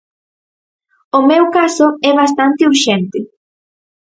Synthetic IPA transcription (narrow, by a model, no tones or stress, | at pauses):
ʊmɛwkasoɛβast̪ant̪ɪuɾʃɛnt̪ɪ